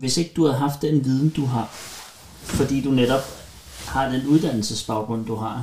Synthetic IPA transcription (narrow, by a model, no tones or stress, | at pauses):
ʋe̝se̝ɡ̥əd̥uhæɦɑ̈fd̥ːenʋið̞ˠn̩d̥uɦɑ̈ | fɒ̽d̥ḭːd̥uneɾ̥ɒ̽b̥ | hɑ̈d̥enuð̞ˠd̥æn̰l̩səsb̥ɑ̈ʊɡ̥ʁɔ̽n̰d̥uɦɑ̈